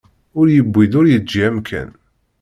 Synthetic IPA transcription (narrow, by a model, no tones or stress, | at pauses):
ʊɾjəbʷːid̪ʊɾjəd͡ʒːiæmkʰæ̰n